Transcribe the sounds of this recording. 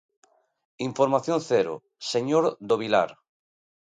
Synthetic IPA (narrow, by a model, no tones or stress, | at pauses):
iɱfoɾmaθjonθeɾo̰ | seɲoɾd̪oβila̰ɾ